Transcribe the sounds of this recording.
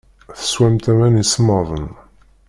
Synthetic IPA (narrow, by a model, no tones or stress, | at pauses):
θə̥swæmt̪æmænismɑðˤən